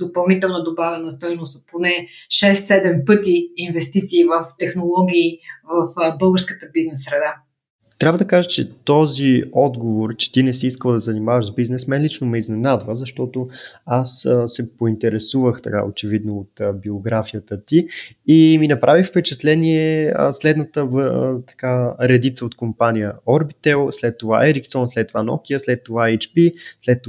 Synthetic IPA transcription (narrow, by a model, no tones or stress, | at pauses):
d̪opəlˠnit̪ɛlˠnəd̪obavɛnɐst̪ɔjnʊst̪ponɛʃɛsːɛd̪ɛmpɤt̪iːnvɛst̪it̪siːvəft̪ɛxnolˠɔɡʲiːvəfbɤlˠɡəɾskət̪əbiznɛsːɾɛd̪a | t̪ɾʲabvəd̪ɐkaʒət͡ʃɛt̪ɔziɔd̪ɡovoɾt͡ʃɛ̥t̪inɛsiiskəlˠd̪ɐzɐnimavəʒzbiznɛsmɛnlit͡ʃnomɛiznɛnad̪vəzɐʃt̪ɔt̪oasəsɛpoint̪ɛɾɛsuvəxt̪ɐka̰o̰t͡ʃɛvid̪noːt̪əbioɡɾafijət̪ət̪iː | minɐpɾʔavifpɛt͡ʃɛt̪lɛniɛə̰slɛd̪nət̪ət̪ɐ̥kaɾɛd̪it̪səot̪kompanʲijəɔɾbit̪ɛlˠslɛt̪ːova̰ʔɛɾiksɔnslɛt̪ːovanɔ̰kiəslɛt̪ːovaɛt͡ʃpislɛt̪ː